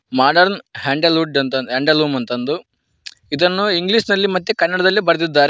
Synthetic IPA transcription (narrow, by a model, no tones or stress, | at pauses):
maːɖɐɾnɦeːɳɖɐluːɖɐnt̪ɐnd̪ɦeːɳɖɐluːmɐnt̪ɐnd̪u | id̪ɐnːuiŋɡliːʂnɐlːimɐt̪ːukɐnːɐɽɐd̪ɐlːibɐɾɐd̪id̪ːaːɾ